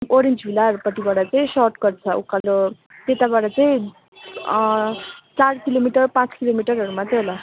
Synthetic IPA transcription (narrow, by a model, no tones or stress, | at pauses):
oɾend͡zbʱilaɾpʌʈibaɽat͡saĩsɔʈɡʌrt͡sʰʌukalo | t̪et̪abaʈʌt͡saĩ | t͡saɽkilomiʈʌrpãt͡skilomiʈʌɾʌɾumat̪eɦola